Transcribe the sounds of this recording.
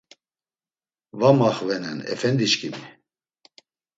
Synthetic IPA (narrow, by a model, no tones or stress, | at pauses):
vamaχvɛnɛnɛ̰fɛnd̪iʃkʰʼimi